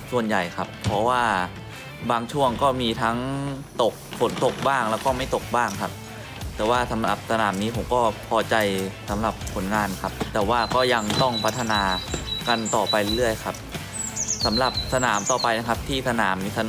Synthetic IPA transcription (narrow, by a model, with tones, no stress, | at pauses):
su˨˩ənja˨˩jkʰa˦˥pʰːɔ˦˥waː˥˩ | baː˧ŋt͡ɕʰu˥˩əŋkɔː˥˩miː˧t̪ʰa˦˥ŋt̪o˨˩k̚fo˨˩˦nt̪o˨˩k̚baː˥˩ŋlɛː˦˥wkɔː˥˩ma˥˩jt̪o˨˩k̚baː˥˩ŋkʰa˦˥p̚ | t̪ɛː˨˩waː˥˩sa˩˦mla˨˩p̚sa˧naː˩˦mniː˦˥pʰo˩˦mkɔː˥˩pʰɔː˧t͡ɕa˧jsa˩˦mla˨˩p̚kʰo˩˦nŋaː˧nkʰa˦˥p̚t̪ɛː˨˩waː˥˩kɔː˥˩ja˧ŋt̪ɔ˥˩ŋpʰa˦˥t̪ʰːa˧naː˧ka˧nt̪ɔː˨˩pa˧jlɾɯ˥˩əjkʰa˦˥p̚ | sa˩˦mla˨˩p̚sa˧naː˩˦mt̪ɔː˨˩pa˧jna˦˥kʰa˦˥p̚t̪ʰiː˥˩sa˧naː˩˦mːiː˧sa˧n